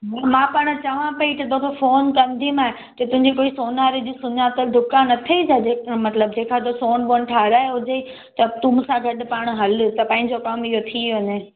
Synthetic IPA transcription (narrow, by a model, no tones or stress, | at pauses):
mãmãːpaːɽ̃t͡ɕɐʋãpɐit̪ɐt̪oːkʰofoːnkɐnd̪ʱimaːɦe | t̪ɐt̪ʊ̃ɦɪ̃ɲd͡ʑikoːisoːnaːɾid͡ʑiːsʊɲat̪ɐɖʱʊkanɐt̪ʰɐid͡ʑad͡ʑeːmɐt̪ləb̚d͡ʑeːkʰat̪osoːnboːənɪ̆ʈʰaːɾaːɦeɦʊd͡ʑei | t̪ɐt̪ʊmʊsãɡʱɐɗʊ̆paːɽ̃ɦɐl̆t̪ɐpɐ̃ːɪ̃ɲd͡ʑokɐmiɦot̪ʰiʋɐɲe